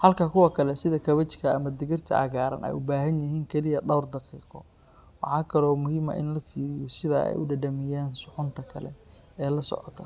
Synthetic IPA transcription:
hɐlkʰɐkʰʊwɑkʰɐlɛsɪðɐkʰɐβɐt͡ʃkʰɐ̰ːmɐd̪ɪɣɪrt̪ʰɐ̰ʔɐ̰ɣaːɾɐ̰nʔɛ̰jʊbaːɦɐnjɐɦiːŋkʰɛlɪjɐɖɐwrd̪ɑqiːqɔ | wɑħɑːkʰɐlɔːmʊhɪmɐ̰ʔɪnlɐfiːɾɪjɔsɪðɐɛ̰jʔʊɖɐɖɐmɪjaːnsʊħʊnt̪ʰɐkʰɐlɛ̰ | ɛːlɐsɔ̰ʕɔ̰t̪ʰɐ

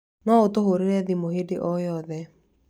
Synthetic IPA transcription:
nɔotoɦoɾeɾɛðimohedeʔɔjɔðɛ

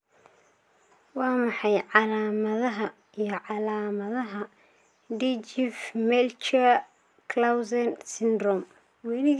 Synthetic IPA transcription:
wɑːmɑħɑjʕɑlaːmɐðɐɦɐ | ijɞʕɑlaːmɐðɐɦɐ | ɖit͡ʃɪfmɛlt͡ʃɐ | kʰlawsɛnsɪnd̪rɔm | wɛnɪ

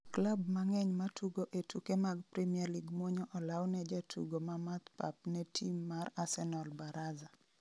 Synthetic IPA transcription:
klabmaŋɛɲmatʰuɡoʔetʰukemaɡpɾimiɛrliɡmwoɲɔʔɔlawnɛd͡ʒatʰṵɡomamat̪pa̰p̚nɛtʰimːarasɛnɔlbaɾaza

